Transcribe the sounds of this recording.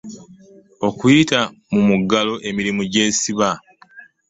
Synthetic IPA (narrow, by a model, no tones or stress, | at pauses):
o̞kujita | mumuɡalo̞ʔe̞miɾimuɟe̞ːsiβa